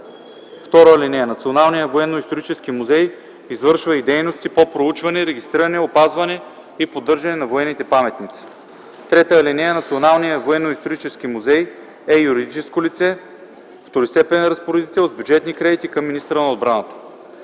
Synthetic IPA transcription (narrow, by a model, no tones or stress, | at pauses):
ft̪ɔɾoəlinɛɛnɐt̪sionalˠnijəvoɛnːoist̪oɾit͡ʃɛsk̟imuzɛj | izvɤɾʃvəid̪ɛjnost̪ipopɾout͡ʃvɐnɛɾɛɡist̪ɾiɾɐnɛopazvɐnɛ | ipod̪ɤɾʒɐnɛnɐvoɛnːit̪ɛpamɛt̪nit̪si̥ | t̪ɾɛt̪əlinɛɛnɐt̪sionalˠnijəvoɛnːoist̪oɾit͡ʃɛsk̟imuzɛj | ɛjuɾid̪it͡ʃɛskolit̪sɛ | ft̪oɾist̪ɛpɛnɾɐspoɾɛd̪it̪ɛlˠzbʲjud͡ʒɛt̪nikɾɛd̪it̪ikəmːinist̪əɾənɐod̪̚bɾanət̪ə̥